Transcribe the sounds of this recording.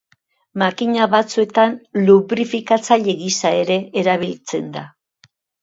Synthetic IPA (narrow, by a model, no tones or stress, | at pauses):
makiɲaβat͡sue̞t̪anluβɾifikat͡saʎe̞ɣisae̞ɾe̞eɾaβ̞ilt͡se̞nd̪a